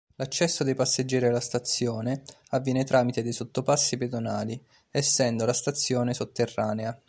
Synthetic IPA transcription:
lat͡ʃːɛsːod̪ejpasːed͡ʒːɛːɾialːast̪at̪sːjɔːne | avːjɛːnet̪ɾʔaːmit̪ed̪ejsot̪ːopasːiped̪onaːli | ɛsːɛnd̪olast̪at̪sːjɔːnesot̪ːerːaːnea

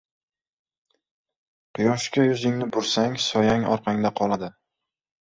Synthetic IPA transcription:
qʰɨjɒʃkʲajʊzɪŋnɪbʊɾsaŋsɒjaŋɒ̰ɾqʰɑŋd̪aqʰɒlˠad̪ɪ

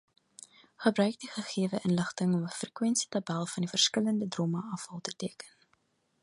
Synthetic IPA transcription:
χəbɾœɥk̚diχəχiəvəʔənləχtəŋɔməfrəkwɛnsi̥tɐbælˠfɐndifərskələndədroməʔɐfɐlˠtətiəkən

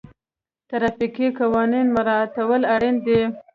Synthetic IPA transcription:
t̪aɾɑfikikawɑninmʊɾɑt̪awəlaɽind̪e

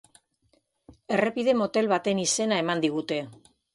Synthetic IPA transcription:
e̞re̞pið̞e̞mo̞t̪e̞lβat̪e̞nise̞nae̞mand̪iɣ̞ut̪e̞

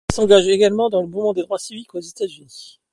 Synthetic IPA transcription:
sɑ̃ɡaʒeɡalmɑ̃d̪ɑ̃ləbumɑ̃d̪ed̪ʁwasivikozet̪azyni

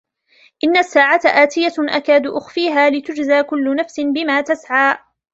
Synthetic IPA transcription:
ʔɪnːasːaːʕat̪aʔaːt̪ɪjaʔakaːd̪ʊʔʊxfiːɦaːlɪt̪ʊd͡ʒzaːkʊlːʊnafsɪnbɪmaːt̪asʕaː

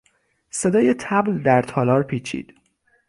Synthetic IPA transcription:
se̞d̪ɒːjet̪ʰæbld̪æɾt̪ʰɒːlɒːɾpʰiːt͡ʃʰḭːd̪̥

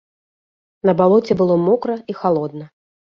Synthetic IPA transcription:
nɐbalˠɔt͡sʲɛbɨlˠɔmɔkɾɐixalˠɔd̪nɐ

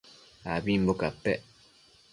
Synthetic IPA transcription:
abimbokapɛʔ

